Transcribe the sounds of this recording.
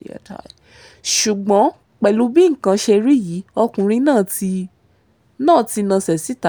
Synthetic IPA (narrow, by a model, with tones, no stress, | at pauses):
ta̰˨ | ʃu˨ɡ͡bɔ̃˨˦ | k͡pɛ˨lu˨˦bi˦ŋ̩˨kã˧ʃe˧ɾi˦ji˨˦ɔ˧kũ˨ɾ̃ĩ˧˦nãː˦˨ti˧ | nãː˦˨ti˧nã˧sɛ˨si˨˦ta˨